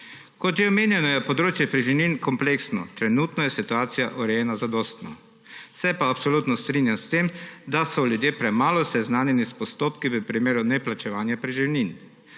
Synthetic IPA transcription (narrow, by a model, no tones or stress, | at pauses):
kɔt̪ʒɛɔmeːnjɛnɔjɛpɔd̪ɾoːt͡ʃjɛpɾiʒiwninkɔmpleksnɔ̰t̪ɾɛnut̪nɔjɛsit̪uaːt̪sijaʔuɾɛjɛnazad̪ɔːst̪nɔ | sɛpaːpsoluːt̪nɔst̪ɾinjamst̪eːmd̪asɔlʲjud̪jeːpɾɛmaːlɔsɛznaːnjɛnispɔst̪oːpkiʋəpɾimeːɾunɛplat͡ʃɛʋaːnjapɾiʒiwnin